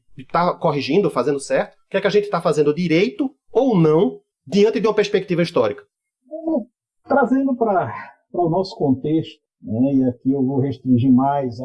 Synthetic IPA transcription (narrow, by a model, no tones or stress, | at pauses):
t̪akoɦiʒĩd̪ʊfazẽnd̪ʊsɛɾt̪ʊ̥kɪɛkɪaʒẽnt̪ɪ̥t̪afazẽnd̪ʊd̪iɾejt̪ʊ | ownɐ̃w̃ | d̪iɐ̃nt̪ɪd̪ɪũmɐpeɾspek̚t̪ivɐiʃt̪ɔɾikɐ̥̃ | t̪ɾazẽnd̪ʊpɾɐ | pɾɐʊnɔsʊ̥kõnt̪eʃt̪ʊnɛiakiewvowheʃt̪ɾĩʒimajz